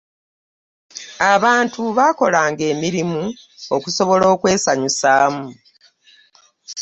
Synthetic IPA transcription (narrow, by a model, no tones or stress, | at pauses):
aβaːntuβaːko̞laːŋɡe̞ːmiɾimu | okuso̞βo̞lo̞ːkwe̞ːsaɲusaːmu